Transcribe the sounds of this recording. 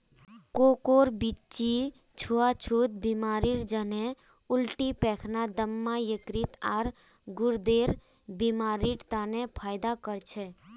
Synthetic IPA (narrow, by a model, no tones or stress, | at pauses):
koːkoːɾbit͡ʃi | t͡ʃʰuat͡ʃʰut̪̚bimaːɾiɾd͡ʒəne | ʊlʈipɛːkʰnad̪əmːajəkɾit̪aːɾ | ɡʊɾd̪eːɾ | bimaːɾiɾt̪aːnẽpʰaːjd̪akəɾt͡ʃʰɛ